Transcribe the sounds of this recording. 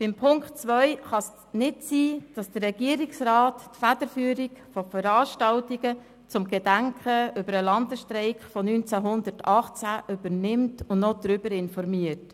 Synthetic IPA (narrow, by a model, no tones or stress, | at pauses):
b̥ɪmpʰʊŋktt͡sʋœʏχɑs | nɪtsiːd̥ɑsd̥ərrɛɡ̥iəɾiksraːttfæd̥əɾfyːɾikfɔfəɾɑːʃtɑltiɡə | t͡sʊmɡed̥æŋkʰəʏbəɾəlɑndəsʃtɾɛɪkfɔnynt͡sæɦʊndətɑχt͡sæʔʏb̥əɾnɪmtʊndnɔd̪̥ɾʏbəɾɪnfɔɾmiəɾt